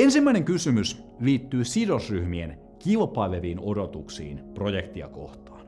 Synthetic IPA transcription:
ensimːæineŋkysymys | liːt̪ːyːsidosryhmien | kilpɑileʋiːnodot̪uksḭːnpro̞jekt̪iɑ̰ko̰ht̪ɑːn

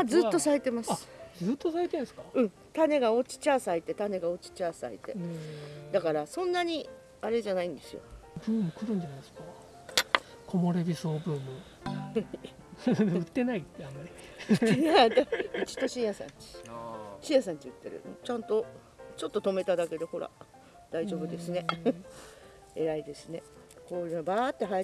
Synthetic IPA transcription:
d͡zɨːt̪ːo̞saet̪e̞masaɨ̥zɨːt̪ːosaet̪eñsɨ̥kḁɯ̟̃ɴ | t̪ane̞ɡao̞t͡ɕi̥t͡ɕaːsait̪e̞t̪ane̞ɡao̞t͡ɕi̥t͡ɕaːsa̰it̪e̞ | d̪akaɾasõ̞nːaɲ̟i | aɾe̞ʑanaĩnd̪e̞sɨjo̞̰bɯ̟ːmɯ̟kɯɾõɲʲd͡ʑanasɨ̥ka | kʰo̞moɾebʲisoːbɯːmɯ̟ | ɯ̟t̪ːe̞naiamːaɾʲi | ad̪ait͡ɕi̥t̪o̞ɕĩjasã̰ɲ̟t͡ɕi̥ɕijasãɲ̟t͡ɕiɯ̟t̪ːe̞̰ɾɯ̰t͡ɕãnt̪o̞ | t͡ɕo̞t̪ːo̞t̪o̞me̞t̪ad̪ake̞d̪e̞ho̞ɾa̰ | d̪̥aiʑo̞ːbɯ̟d̪e̞sɨne̞ | e̞ɾaid̪e̞sɨne̞ | ko̞ːjɯːbaːt̪ːe̞ɦa

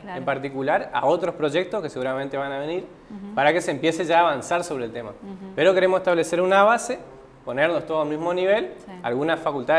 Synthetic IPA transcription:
empaɾt̪ikulaɾa̰o̞t̪ɾo̞spɾo̞ʒe̞k̚t̪oskese̞ɣuɾamẽnt̪e̞βanaβeniɾ | paɾakeseːmpje̞se̞ʒaːβansaɾso̞βɾeːlt̪emape̞ɾo̞ke̞ɾemoseht̪aβle̞se̞ɾunaβ̞ase̞ | po̞neɾnost̪oðamizmo̞niβ̞e̞la̰lɣunasfakult̪a

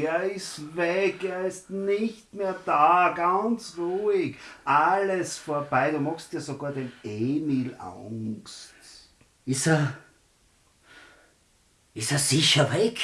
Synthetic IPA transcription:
eːɐɪstvɛkeːɐɪstnɪçtmeːɐd̥aːɡ̥ant͡sʁuːɪkʔaləsfoːɐbaɪdumɑxstd̥iːɐzoɡaːɐdeneːmila̰ŋst | ɪsə | ɪsəsiçɐvɛk

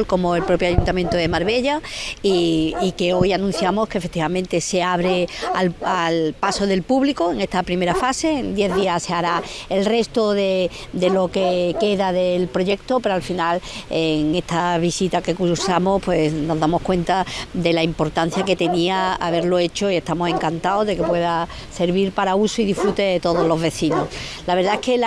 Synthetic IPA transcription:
lko̞moe̞lpɾo̞pjoaʝunt̪amjent̪oðemaɾβe̞ʎaiike̞o̞janũn̟θjamo̞hkefet̪iβamẽnt̪e̞se̞aβ̞ɾealalpaso̞ðe̞lpuβlikoeŋe̞st̪apɾime̞ɾafase̞nd̪je̞ððiaseaɾaelre̞st̪oðed̪e̞lo̞keke̞ðaðe̞lpɾo̞ʝe̞k̚t̪ope̞ɾoalfinaleŋe̞st̪ʰaβisit̪ake̞kuɾsamopwe̞sno̞zðamo̞hkwe̞nt̪ad̪e̞laimpo̞ɾt̪an̟θjake̞t̪e̞niaaβ̞e̞ɾlo̞e̞t͡ʃo̞ie̞st̪amosẽ̞ŋkant̪aozðe̞ke̞pwe̞ða | se̞ɾβiɾpaɾausoiðifɾut̪e̞t̪o̞ð̞o̞zlo̞zβe̞θinoslaβe̞ɾðaekel

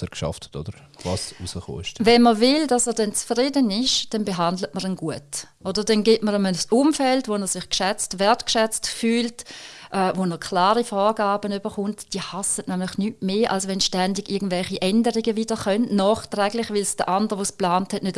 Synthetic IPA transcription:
ɛkʃɑ̰ftʰə̥to̰d̥əɾ | vɑ̰susəχo̰ːɪʃvɛnməvɪld̥ɑsɛːɐdɛnt͡sfʁidənɪʃd̥ɛnbeɦandlətməʁənɡuətʔodəd̥ɛnɡɪtməʁəməʊmfɛltʋonəsɪχkʃɛt͡stvɛɐtkʃɛt͡stfyːltʔɛvonəkʰlaːʁifɔːʁɡaːbənybəχʊntd̥iːəhasətnɛmlɪχnyːtmeːʔalsʋɛnʃtɛndiɡ̥ɪɐɡən̩tvɛlχiʔɛndəʁiɡəvidəχœnnɔːχtʁɛːɡlɪχvɪlsd̥əʔandəʁʋosplaːnthɛtnøt

